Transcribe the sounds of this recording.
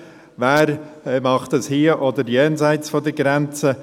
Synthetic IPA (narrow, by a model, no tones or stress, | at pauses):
væːɾmɑχt̪əshiəʔɔdəɾjɛːnzaɪt͡sfɔd̪əɡɾɛnt͡sə